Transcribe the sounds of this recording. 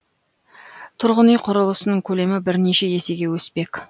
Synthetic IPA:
t̪ʰʊɾʁənijqʰʊɾəlˠəsənəŋkʲʰɵle̞mɪbɪɾneʃe̞je̞se̞ɡʲe̞wɵspe̞kʲ

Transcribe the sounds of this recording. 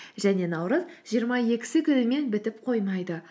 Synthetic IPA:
ʒæne̞nɑwɾəzʒ̥ijəɾmɑje̞kʲɪ̥sɪkʲʰʏɾɪme̞nbɪt̪ɪpqʰo̞jmɑjd̪ə

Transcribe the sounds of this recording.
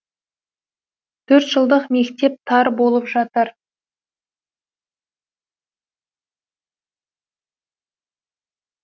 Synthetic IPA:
t̪ʰɵɾt̪ʒəlˠd̪əqme̞kt̪e̞p̚t̪ʰɑɾbo̞lˠəpʒɑt̪əɾ

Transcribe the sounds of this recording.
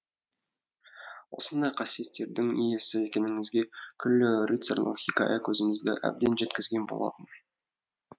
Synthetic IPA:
wo̞̰sənd̪ɑjqʰɑsije̞t̪ːe̞ɾd̪ɪŋḭjesɪe̞kʲe̞nɪŋɪzɡʲe̞kʲʰʏlːɪrʲit̪sḛrlˠə̰qχʲikɑ̰ʔakʲʰɵzɪmɪzd̪ɪ̰ʔæ̰b̚d̪e̞nʒe̞t̪kʲɪzɡʲe̞nbolˠɑ̰t̪ən

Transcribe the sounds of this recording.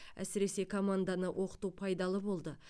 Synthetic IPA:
æ̰sɪɾe̞se̞kʰo̞mand̪anəwʔo̞qə̥t̪upʰɑjd̪ɑlˠəbo̞lˠd̪ə

